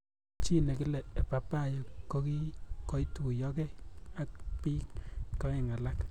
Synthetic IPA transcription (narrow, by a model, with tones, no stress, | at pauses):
t͡ʃi˦ne˨kɪ˦lɛː˨pa˨pa˦jo˨ko˦ki˦ko˦jtu˦u˨jɔ˦ke˦a˦k̚pi˦kkɔ˦e˨ŋa˨la˦k